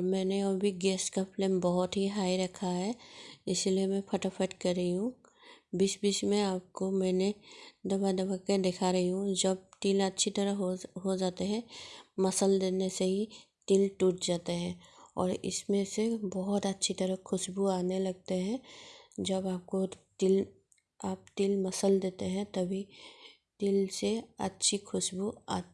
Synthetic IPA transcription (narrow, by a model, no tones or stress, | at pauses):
mɛ̃ːneɐbʱiɡeːskapleːmbɔɦʊt̪ɦiɦaːiɾɐkʰːaɦɛːɪsliemɛ̃pʰɐʈəpʰəʈkɐɾːəɦiɦũbisbit͡ʃmẽaːp̚komɛ̃ːned̪ɐbad̪ɐbaked̪eːkʰaɾɐɦiɦũd͡ʒɐb̚ʈiːlətːʃʰit̪ɐɾəɦɦod͡ʒaːt̪eɦɛ̃mɐsəld̪eːneseɦi | t̪ɪlʈuːʈd͡ʒaːt̪eɦɛ̃ːɔ̰ːɾɪ̰smẽsebɔɦʊt̪ətːʃʰit̪ɐɾəɦkʰʊʃbuaːnelɐɡ̚t̪eɦɛ̃d͡ʒɐbaːp̚kot̪ɪl | aːp̚t̪ɪlmɐsəld̪eːt̪eɦɛ̃t̪ɐbʱi | t̪ɪlseɐ̰tːʃʰikʰʊʃbua̰